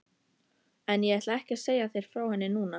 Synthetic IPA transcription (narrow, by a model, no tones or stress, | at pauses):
ɛnjɛɛht̪laɛhcɪseːjaθejɾ̥fɾaːwhɛnːɪnuːna